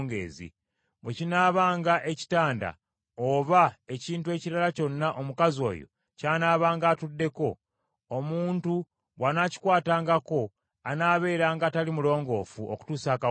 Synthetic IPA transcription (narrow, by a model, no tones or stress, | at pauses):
ŋɡḛːzḭ | βwecinaːβaːŋɡaʔe̞ci̥taːnda̰ | oβae̞ciːntuwe̞ciɾalaco̞nːaʔo̞mukazo̞̰ːjo̞̰ | caːnaːβaːŋɡaːtudːe̞ko̞ː | muːntu | wanaci̥kwaːtaːŋɡako̞ | anaːβe̞ːɾaːŋɡatalimulo̞ːŋɡo̞ːfuʔo̰ku̥tuːsaːka